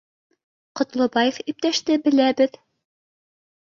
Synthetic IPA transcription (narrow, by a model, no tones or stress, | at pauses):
qŏt̪lˠŏbɑjefip̚t̪æʃt̪ɘbɘ̆læbɘð